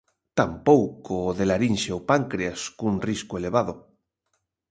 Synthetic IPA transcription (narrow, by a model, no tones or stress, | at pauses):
t̪ampowkoðelaɾinʃeopaŋkɾeaskunriskoeleβ̞að̞o